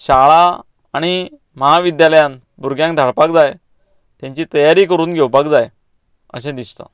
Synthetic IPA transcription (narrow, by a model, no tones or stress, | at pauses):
ɕaɭaː | ɽ̃i | məɦaʋid̪jaləjãn | buɾɡjãŋk̚d̪ʱaɭpak̚d͡zaj | t̪jãɲt͡ɕiːt̪əjaɾiːkəɾuːnɡʱɛwpakd͡zaj | ə̰ɕɛ̃d̪ist̪a̰